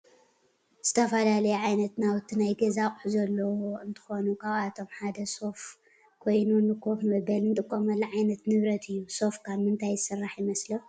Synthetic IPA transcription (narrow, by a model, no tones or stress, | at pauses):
z̥ɨt̪ʰɐfɐlalɐjuʕajnɐt̪nawɨt̪ʰːinajɡɐzakʼħuzɐlːɐwoɨnt̪ʰɨ̥xonukʰaβat̪ʰo̞mħad̪ɐso̞f | kʰo̞jnunɨkʰo̞fmɐβɐlnɨt̪ʼɨkʼːomɐlːɐʕajnɐt̪nɨβɾɐt̪ʰɨjːuso̞fkʰaβmɨnt̪ʰajɨsɨrːaħjɪmɐslɐ